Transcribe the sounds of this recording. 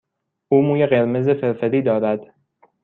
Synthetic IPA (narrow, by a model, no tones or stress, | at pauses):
ʔuːmuːjeɢe̞ɾmezefeɾfeɾiːd̪ɒːɾæd̪